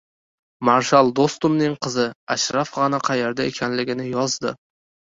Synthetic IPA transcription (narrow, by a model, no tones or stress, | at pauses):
maɾʃalˠd̪ost̪ʊmnɪŋqʰɨzɪaʃɾafʁɑnaqʰɑjeɾd̪aekʲʰanlɪɡʲɪnɪjɒzd̪ɪ̰